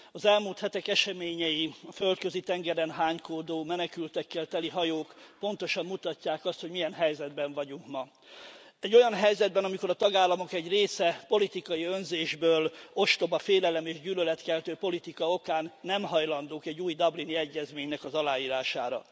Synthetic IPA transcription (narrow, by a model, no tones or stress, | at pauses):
ɒzɛlmuːlt̪hɛt̪ɛkɛʃɛmeːɲɛjiɒfølt̪køzit̪ɛŋɡɛɾɛnɦaːɲkoːd̪oːmɛnɛkylt̪ɛkːɛlt̪ɛliɦɒjoːkpo̞nt̪o̞ʃɒmːut̪ɒcːaːkɒst̪ho̞ɟmijɛnɦɛjzɛd̪bɛɱvɒɟuŋkmɒ | ɛɟːo̞jɒnɦɛjzɛd̪̚bɛnɒmiko̞ɾɒt̪ɒɡaːlːɒmo̞kɛɟreːsɛpo̞lit̪ikɒjiønzeːʒbøːlo̞ʃt̪o̞bɒfeːlɛlɛmeːʒɟyːlølɛt̪kɛlt̪øːpo̞lit̪ikɒo̞kaːnːɛmɦɒjlɒnd̪oːkɛɟːuːjd̪ɒbliniɛɟːɛzmeːɲnɛkɒzɒlaːjiːɾaːʃaːɾɒ̰